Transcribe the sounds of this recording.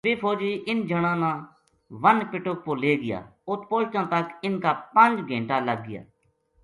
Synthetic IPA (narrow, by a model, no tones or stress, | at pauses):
ʋɪːpʰoːd͡ʒiːʔɪnd͡ʒəɽ̃ãːnãː | ʋənpɪʈʊk̚poːleːɡɪja̰ːʊt̪poːlʈãːt̪əkɪnkaːpə̃nd͡ʒɡʱẽːɳʈaːləɡ̚ːɪja̰ː